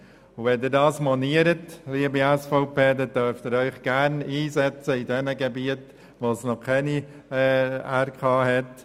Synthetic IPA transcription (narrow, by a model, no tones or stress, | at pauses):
ʊʋɛndiːɾdɑːsmɔniəɾətliːəbiɛsfɔʊpeːdɛndœɾft̪ɪɾœʏχɡ̥æɾniːzɛt͡səidɛnəɡebiət | ʋoːsnɔkʰɛni | æɾkʰɑːɦɛt